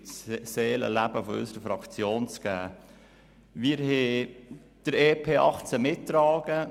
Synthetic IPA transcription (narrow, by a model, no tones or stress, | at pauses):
seːlə̰læbəfɔʏ̰səɾəfɾɑkt͡sjoːnt͡sɡ̥æː | miɾɦɛ | d̥əɾeːpʰeːʔɑχt͡səmɪtːɾɑːɡ̥ə